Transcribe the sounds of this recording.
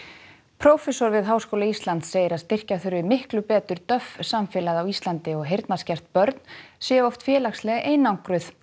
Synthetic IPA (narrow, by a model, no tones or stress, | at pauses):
pʰɾowfɛsɔɾvɪðɦaːwskowlaist̪lant̪seːjɪɾaðst̪ɪr̥caθʏɾvɪmɪhklʏpɛːt̪ʏɾt̪œfsamfɪːlaðawist̪lant̪ɪɔɣɦejɾt̪nascɛr̥t̪̚pœɾt̪n̥sjɛːɔwft̪fjɛːlaxslɛɣeːjnawŋkɾʏθ